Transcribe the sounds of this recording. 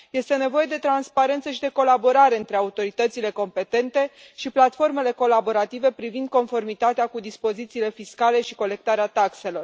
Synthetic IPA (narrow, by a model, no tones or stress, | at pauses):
je̞st̪e̞ne̞vo̞je̞d̪e̞t̪ɾanspaɾe̞nt̪səʃid̪e̞ko̞labo̞ɾaɾe̞ɨnt̪ɾe̞aut̪o̞ɾit̪ət̪sile̞ko̞mpe̞t̪e̞nt̪e̞ | ʃiplat̪fo̞rme̞le̞ko̞labo̞ɾat̪ive̞pɾivind̪̚ko̞nfo̞rmit̪at̪eakud̪ispo̞zit̪siːle̞fiskale̞ʃiko̞le̞k̚t̪aɾeat̪akse̞lo̞r